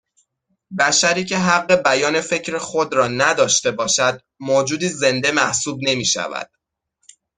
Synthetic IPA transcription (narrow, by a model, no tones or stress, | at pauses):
bæʃæɾiːcʰe̞ɦæɢːe̞bæjɒːne̞fe̞cʰɾexod̪ɾɒːnæd̪ɒːʃt̪e̞bɒːʃæd̪̥̚ | moːd͡ʒuːd̪iːze̞nd̪e̞mæhsuːb̚ne̞miːʃæ̰væ̰d̪̥